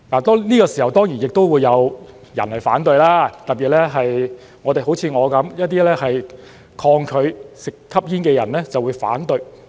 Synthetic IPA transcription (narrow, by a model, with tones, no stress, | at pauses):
laː˨˩t̪ɔː˥niː˥kɔː˧si˨˩hɐ˨˩wt̪ɔː˥ŋjiː˨˩njɪ˨k̚t̪o˥wu˨˧jːɐ˨˧w | jɐ̰˨˩nhɐ˨jfaː˨˥nt̪ɵ˧ɥlaː˥t̪ɐ˨t̚piː˨t̚lɛː˥ɦɐ˨j | ŋɔː˨˧t̪e˨jɦo˨˥wt͡sʰiː˨˧ŋɔː˨˧kɐ˨˧˥mjɐ˥t̚t̪iː˥lɛː˥ɦɐ˨j | kʰɔː˧ŋkʰɵ˨˧ɥsɪ˨k̚t̪ʰɐ˥p̚jiː˥nkɛː˧jɐ˨˩nlɛː˥t͡sɐ˨wuː˨˧jfa̰ː˨˥nt̪ɵ˨˧ɥ